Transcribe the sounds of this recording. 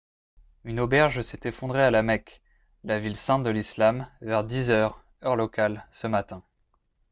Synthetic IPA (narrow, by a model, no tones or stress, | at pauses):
ynobɛʁʒsɛt̪efɔ̃d̪ʁealamɛk | lavilsɛ̃t̪̚d̪əlislamvɛʁd̪izœʁ | œʁlɔkalsəmat̪ɛ̃